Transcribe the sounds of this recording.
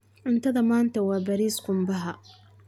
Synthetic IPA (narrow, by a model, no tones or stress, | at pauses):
ʕʊnt̪ʰɐðɐmaːnt̪ʰɐwɑːbɐɾiːsɡʊmbɐɦɐ